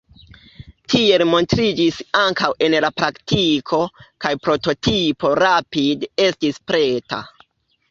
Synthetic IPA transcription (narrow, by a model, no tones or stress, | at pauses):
tʰie̞lmo̞ntɾid͡ʒisaŋkawe̞nlapɾaktikʰo̞kajpɾo̞to̞tipo̞ɾapide̞stispɾe̞ta̰